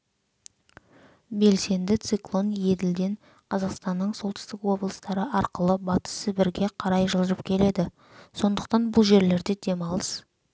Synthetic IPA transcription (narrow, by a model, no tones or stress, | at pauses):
be̞lse̞nd̪ɪt̪siklˠo̞nje̞d̪ɪld̪e̞n | qʰɑzɑqst̪ɑnːəɴso̞lˠt̪ɪ̥st̪ɪkwo̞blˠəst̪ɑɾəʔɑɾqəlˠəbɑt̪ə̥səbɪɾɡʲe̞qʰɑɾɑjʒəlˠd̪əɾəp̚kʲʰe̞le̞d̪ɪ | so̞nd̪əq̚t̪ɑnbʊlˠʒe̞ɾle̞ɾd̪e̞d̪e̞mɑlˠəs